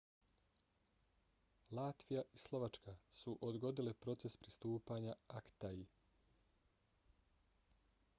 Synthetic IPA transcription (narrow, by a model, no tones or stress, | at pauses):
laːt̪ʋijaʔislˠo̞ʋat͡ʃkasuʔod̪ɡo̞d̪ilepɾo̞t̪se̞spɾist̪uːpaɲaakt̪ai